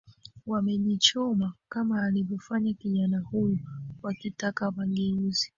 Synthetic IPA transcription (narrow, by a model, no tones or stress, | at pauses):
wamɛʄit͡ʃɔmakamaːlivjɔfaɲakiʄanahujɔwakitakawaŋɡɛuzi̥